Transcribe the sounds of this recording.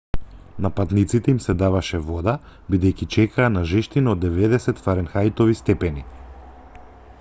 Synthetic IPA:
napat̪nit̪sit̪ɛimsɛd̪avaʃɛvɔd̪a | bid̪ɛjkit͡ʃɛkʰaːnaʒɛʃt̪inɔd̪ːɛvɛd̪ɛsɛt̪faɾɛnxajt̪ɔvist̪ɛpɛni

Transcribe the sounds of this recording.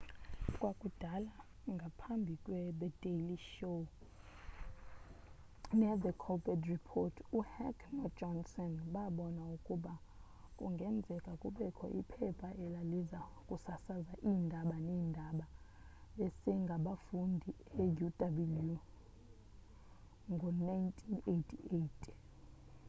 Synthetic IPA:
kʼwakʼud̥ʱala | ŋɡʱapʰambʱikʼwɛɓɛd̥eliʃo | nɛðəkʰɔbɛdripʰɔtʰuhɛkʰmɔ̥d͡ʒɔnsɔnɓaɓɔnaukʼuɓa | kʼṵŋɡʱɛnd͡zʱɛkʼakʼuɓɛkʰɔ̰ʔḭpʰɛpʰaʔɛlalizakʼusasazaʔiːndʱaɓanɛːndʱaɓa | ɓesɛŋɡʱaɓafundʱi | ejudabilju | ŋɡʱɔnajntʰʼinetʰietʰʼ

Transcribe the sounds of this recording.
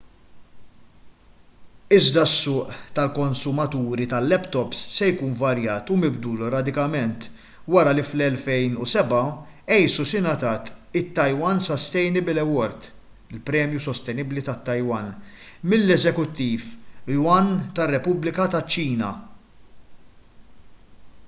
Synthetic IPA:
ɪzd̪ɐsːʊːʔt̪ɐlkɔnsʊmɐt̪uːɾit̪ɐlːɛpt̪ɔpssɛjkuːnvɐɾjɐːt̪ʊmɪbd̪uːlɔɾɐd̪ɪkɐmɛnt̪ | wɐɾɐliflɛlfɛjnusɛbɐɛjsusɪnɐt̪ɐːt̪ɪt̪ːɐjwɐnsɔst̪ɛjnɪblɛwɔɾt̪ | ɪlpɾɛːmjusɔst̪ɛnɪblit̪ɐt̪ːɐjwɐn | mɪlːɛzɛkʊt̪ːiːflwɐnt̪ɐrːɛpʊblɪkɐt̪ɐt͡ʃːiːnɐ̰

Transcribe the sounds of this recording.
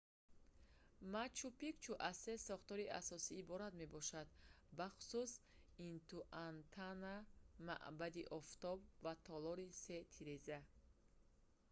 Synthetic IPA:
mat͡ʃʰupikt͡ʃʰuʔazsesɔχt̪ɔɾia̰sɔsiːbɔɾat̪me̞bɔʃad̪ | baχu̥sus | int̪uʔant̪ʰanama̰ʔbad̪iʔɔft̪ɔbvat̪ʰɔlɔɾiset̪ʰiɾeza

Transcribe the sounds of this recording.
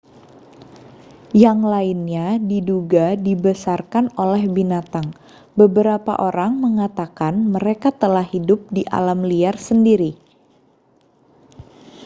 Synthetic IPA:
jaŋlainɲadiduɡadibəsarkanolɛhbinat̪aŋ | bəbəɾapa̰ʔoɾaŋməŋat̪akanməɾekat̪əlahidʊp̚diʔa̰lamliarsəndiɾi

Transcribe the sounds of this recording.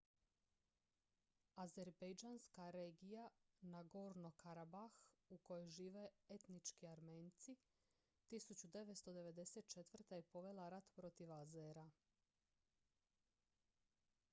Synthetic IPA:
azeɾbejd͡ʒaːnskaɾeːɡijanaɡoːɾno̞kaɾabaxuko̞jojʒiːʋeet̪nit͡ʃkiaɾmeːnt̪si | t̪isut͡ɕud̪e̞ʋet̪st̪o̞d̪e̞ʋe̞d̪e̞set̪̚t͡ʃe̞t̪ʋr̩t̪ejepo̞ʋe̞laɾat̪pɾo̞t̪iʋazeɾa

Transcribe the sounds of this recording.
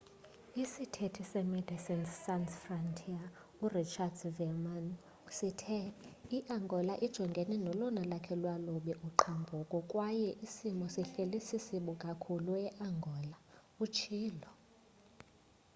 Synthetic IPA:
isitʰetʰisɛmɛd̥ʱisinsːansfrantʰia | urit͡ʃʰadsvɛman | sitʰɛiʔaŋɡʱɔlaʔid̥ʒ̥ʱɔŋɡʱɛnɛnɔlɔnalakʰɛlwaloɓiʔuǃʰambʱɔkʼɔkʼwajɛʔisimɔsiɬelisisiɓɔkʼakʰuluɛʔaŋɡʱɔːla | ut͡ʃʰiːlɔ

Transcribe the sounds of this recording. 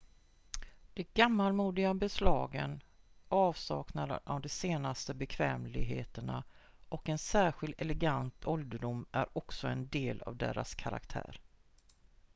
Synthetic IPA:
d̪̥ɛɡamːalmuːd̪ɪɡabɛslɑːɡən | ʔɑːvsɑ̰ːknad̪ə̰ʔavd̪ɛseːnast̪əbɛkʰvɛːmlɪɡɦeːt̪əɳa | ʔɔkɛnsæːɧɪld̪ɛlɛɡant̪ʰɔld̪əɖʊmːæ̰ɾɔksɔɛnd̪eːla̰vd̪ḛːɾa̰skʰaɾa̰kt̪ʰæ̰ːɾ

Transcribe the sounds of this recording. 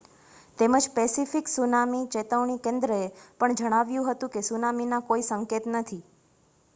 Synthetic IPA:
t̪eməd͡ʒpesifiksunamit͡ʃet̪əʋɳikẽnd̪ɾəepəɳd͡ʒəɽ̃aʋjũɦət̪ũkesunaminakoisəŋket̪nət̪ʰi

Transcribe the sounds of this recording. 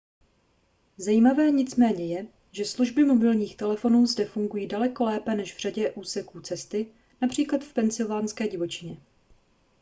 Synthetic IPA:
zajiːmavɛːɲɪt͡smɛːɲɛjɛ | ʒɛsluʒbɪmo̞bɪlɲiːxt̪ɛlɛfo̞nuːzdɛfuŋɡujiːdalɛko̞lɛːpɛnɛʃvr̝aɟɛʔuːsɛkuːt͡sɛst̪ɪ | napr̝̥iːklat̪fpɛnt͡sɪlvaːnskɛːɟɪvo̞t͡ʃɪɲɛ

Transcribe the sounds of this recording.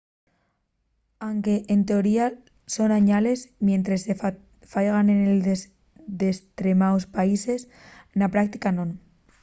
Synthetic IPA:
awŋke̞ʔent̪e̞oɾia | so̞naɲale̞zmjẽ̞nt̪ɾese | fajɣanenel | d̪e̞st̪ɾe̞mawspaise̞s | napɾak̚t̪ikanõ̞n

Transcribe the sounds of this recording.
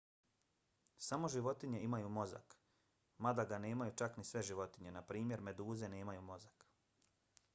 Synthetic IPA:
samo̞ʒiʋo̞t̪iɲe̞imajumo̞za̰k | mad̪aɡane̞ːmajut͡ʃaknisʋe̞ʒiʋo̞t̪iɲe̞napɾiːmje̞ɾme̞d̪uːze̞ne̞ːmajumo̞zak

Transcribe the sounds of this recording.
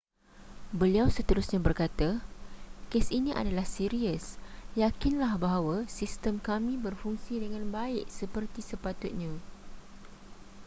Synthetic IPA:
bəliawsət̪əɾusɲãbərkat̪a | kesinĩʔa̰dalahsiɾiəsjakinlahbaɦawasist̪əmkamĩbərfuŋsidəŋãnbaɪʔ̚səpərt̪isəpat̪ʊt̪̚ɲã

